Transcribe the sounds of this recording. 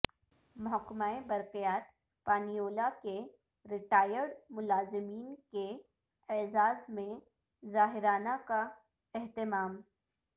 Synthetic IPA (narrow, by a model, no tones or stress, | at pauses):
mʊɦəkːmaːẽbɐɾqijaːt̪̚ | paːnijoːlake | ɾɪʈaːjəɾɖmʊlaːzɪmiːnke | ɛːzaːzmẽ | zaːɦɪɾaːnaka | ɛɦt̪ɪmaːm